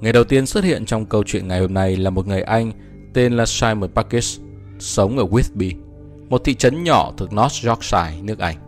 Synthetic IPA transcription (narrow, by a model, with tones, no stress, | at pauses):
ŋa˨˩jɗə˨˩wt̪i˧ənswə˦˥t̚hḭ˧˨ənt͡ɕɔ˧wŋ͡mkə˧wt͡ɕwḭ˧˨ənŋa˨˩jho˧mna˧jlaː˨˩mo˨˩t̚ŋɨ˨˩əjʔa˧jŋ̟ | t̪e˧nlaː˨˩saː˧jməː˧˩paː˧ki˦˥s | sə˨˦wŋ͡mʔəː˧˩ɣwi˦˥t̚ɓi˧ | mo˨˩t̚t̪ʰḭ˧˨t͡ɕə˨˦nɲɔ̰˧˩˨t̪ʰɨ˨˩ək̚nɔ˦˥t̚zɔ˦˥k̚saː˧˩jnɨ˦˥ək̚ʔa˧jŋ̟